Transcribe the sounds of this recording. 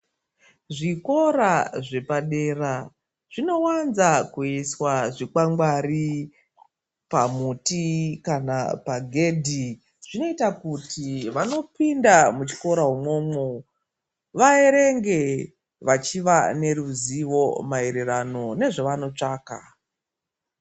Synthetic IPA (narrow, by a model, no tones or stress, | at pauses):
ʐiko̞ɾaʐe̞paɗe̞ra | ʐ̥ino̞wanzakuiswaʐikwaŋɡwari | pamutikana̰paɡʱe̞dʱi | ʐ̥ino̞itakutiʋano̞pindamut͡ʃi̥ko̞ɾaɦumo̞ːmo | ʋaeɾe̞ŋɡe̞ | ʋat͡ʃiʋane̞ɾuziʋo̞maeɾeɾano̞ne̞ʐoʋano̞t͡ʂaːka̰